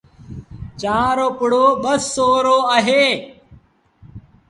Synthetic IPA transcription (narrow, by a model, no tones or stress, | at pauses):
t͡ʃaːɾoːpʊɽoːɓəsːoːɾoːəɦeː